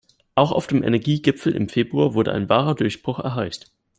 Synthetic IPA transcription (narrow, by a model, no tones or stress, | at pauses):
ʔaʊxa̰ʊfd̥eːmʔɛ̰nɛɐɡiːɡɪpp͡fl̩ʔɪ̰mfeːbʁuaːɐvʊɐdə̰ʔa̰ɪnvaːʁɐdʊɐçb̥ʁ̥ʊxɛ̰ɐɦaɪst